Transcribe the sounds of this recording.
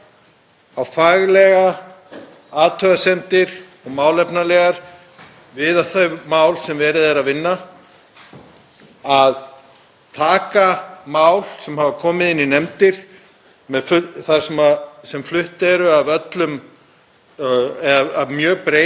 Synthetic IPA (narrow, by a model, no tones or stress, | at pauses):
awfaɣlɛɣa | aːt̪ʰœɣasɛnt̪ɪɾ̥ | ɔɣmaːwlɛpnalɛɣaɾ̥ | vɪðaθœɥmaːwlsɛmvɛːɾɪðɛɾaðvɪnːa | að | t̪ʰaːkamawl̥sɛmhavakʰɔːmɪðɪnːinɛmt̪ɪɾ̥ | mɛðfʏθaɾ̥sɛmasɛmflʏht̪ɛɾʏavœt̪lʏm | ɛðaaðmjœːɣpɾeː